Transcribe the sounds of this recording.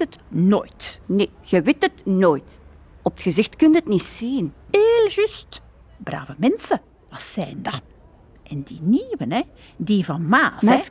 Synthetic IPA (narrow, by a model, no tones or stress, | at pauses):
ətno̰ːjtneːɣəʋɪtətnoːjt | ɔpətxəzɪxtkɵnɦətnitsiːneːlʒyst | bra̰ːvəmɛnsə | ʋɑsɛːndɑ | ʔɛndiːniːwənɛ | diːvɑnmaːs